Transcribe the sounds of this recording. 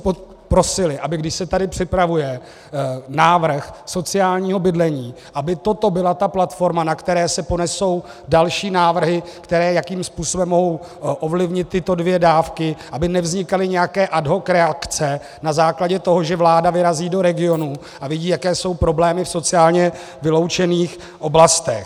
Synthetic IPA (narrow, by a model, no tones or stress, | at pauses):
pɾo̞sɪlɪʔabɪɡdɪʃsɛt̪adɪpr̥ɪpɾavujɛ | naːvr̩xso̞t͡sɪjaːlɲiːɦo̞bɪdlɛɲiː | ʔabɪt̪o̞t̪o̞bɪlat̪aplat̪fo̞ɾmanakt̪ɛɾɛːsɛpo̞nɛso̞w | dalʃiːnaːvr̩ɦɪkt̪ɛɾɛːjakiːmspuːso̞bɛmːoɦo̞w | ʔo̞vlɪvɲɪt̪ːɪt̪o̞dvjɛdaːfkɪʔabɪnɛvzɲɪkalɪɲɛjakɛːʔadɦo̞kɾɛakt͡sɛ | nazaːklaɟɛt̪o̞ɦo̞ʒɛvlaːdavɪɾaziːdo̞ɾɛɡɪo̞nu | ʔavɪɟiːjakɛːso̞wpɾo̞blɛːmɪfso̞t͡sɪaːlɲɛ | vɪlo̞wt͡ʃɛniːx | ʔo̞blast̪ɛx